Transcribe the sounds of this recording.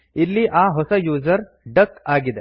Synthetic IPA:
ilːiʔaːɦɔsɐjuːzɐɾ | ɖɐkaːɡid̪e

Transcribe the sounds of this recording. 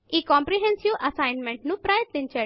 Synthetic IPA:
ikɔ̃mpɾiɦẽnsiʋɐsaɪnmẽɳʈnũpɾaːjət̪lĩnt͡ɕe

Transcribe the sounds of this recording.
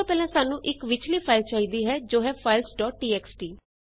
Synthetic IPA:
ãːpɛːlɛ̃ːsaːnũːʔɪkʋɪt͡ʃʰliːpʰaːɪlt͡ʃaːiːd̪iːɦɛːd͡ʒoːɦɛːpʰaːɪlsɖɔːʈ̚ːiːɛːksʈiː

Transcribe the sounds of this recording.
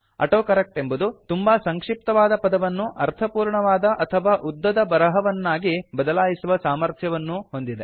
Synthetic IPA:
ɐ̰ʈoːkɐɾɐk̚ʈe̞mbud̪ut̪umbɐsɐŋkʂip̚t̪ɐʋaːd̪ɐpɐd̪ɐʋɐnːuʔɐɾt̪ʰɐpuːɾɳɐʋaːd̪ɐʔɐt̪ʰɐʋaːʔud̪ːɐd̪ɐbɐɾɐɦɐʋɐnːaːɡibɐd̪ɐlaːjisuʋɐsaːmɐɾt̪ʰjɐʋɐnːuɦo̞nd̪id̪e̞

